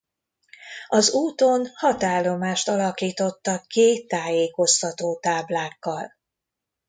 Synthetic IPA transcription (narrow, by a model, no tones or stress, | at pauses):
ɒzuːt̪o̞nhɒt̪aːlo̞maːʃt̪ɒlɒkiːt̪o̞t̪ːɒkeːt̪ːaːjeːko̞st̪ɒt̪oːt̪aːblaːkːɒl